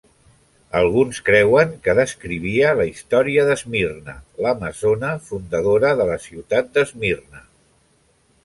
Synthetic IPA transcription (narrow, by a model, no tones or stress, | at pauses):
əlˠɣ̞unskɾɛwəŋkəðəskɾiβ̞iələist̪ɔɾiəðəzmirnə̰ləməzonəfund̪əðoɾəðələsiwt̪at̪̚d̪əzmirnə